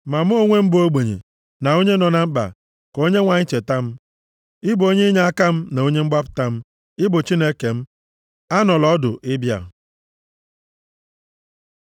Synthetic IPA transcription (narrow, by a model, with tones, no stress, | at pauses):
ma˨m̩˦o˦ŋʷe˦m̩˦bo˦ɡ͡be˨ɲḛ˨ | na˨o˦ɲe˦nɔ˨na˨ŋ͡m̩˦k͡pa̰˨ | ko˦ɲe˦ŋʷa˨ɲɪ˦t͡ʃe˨ta˦m̩˦ | ɪ˦bʊ˨o˦ɲe˦ɲa˦a˦ka˦m̩˦na˨o˦ɲe˦ŋ͡m̩˦ɡ͡ba˦pʊ̥˨ta˦m̩˦ | ɪ˦bʊ˨t͡ʃi˦ne˦ke˨m̩˦ | a˦nɔ˨lɔ˦dʊ̰˨ʔɪ˦bja̰˨